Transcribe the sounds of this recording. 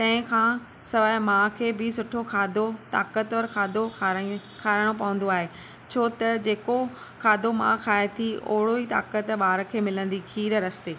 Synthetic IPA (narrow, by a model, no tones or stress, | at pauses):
t̪ɐ̃ɦɪ̃kʰãː | sɐʋaːɪmãːkʰeːbɪsʊʈʰokʰaːd̪ot̪a̰ːkət̪ʋəɾkʰaːd̪ʱo | kʰaːɽ̃opɐʋə̃nd̪oaːɦe | t͡ɕʰoːt̪ɐd͡ʑeːko | kʰaːd̪ʱomã̰kʰaːet̪ʰio̰ɦɪɽoit̪a̰ːkət̪ɓaːɾkʰeːmɪlə̃nd̪ikʰiːɾɾɐst̪eː